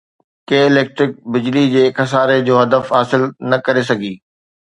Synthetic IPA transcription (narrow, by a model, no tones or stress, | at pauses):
keːɪleːk̚ʈɾɪk̚bɪd͡ʑlid͡ʑeːkɐs̬aːɾed͡ʑoːɦɐd̪əfɦaːsɪlnɐkɐɾes̬ɐɡʱiː